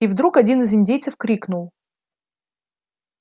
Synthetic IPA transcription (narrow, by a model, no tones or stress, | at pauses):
ivd̪ɾukɐdʲinɨzɪnʲdʲejt̪səfkɾʲiknʊlˠ